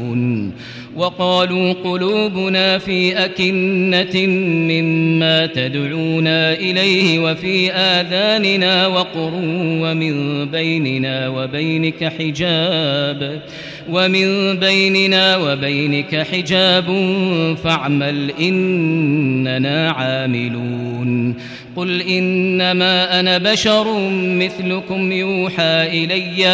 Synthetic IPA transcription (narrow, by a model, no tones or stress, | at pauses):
n | wɑqɑːluːqʊluːbʊnaːfiːʔakɪnːamɪmːaːt̪ad̪ʕuːnaːʔɪlajhɪwafiːʔaːðaːnɪnaːwɑqʊɾuːwamɪnbajnɪnaːwabajnɪkaħɪd͡ʒaːb | wamɪnbajnɪnaːwabajnɪkaħɪd͡ʒaːbʊfaʕmalʔɪnː | anaːʕaːmɪluːn | qʊlʔɪnːamaːʔanabaʃɑɾˤmɪθlʊkʊmjuːħaːʔɪlajːa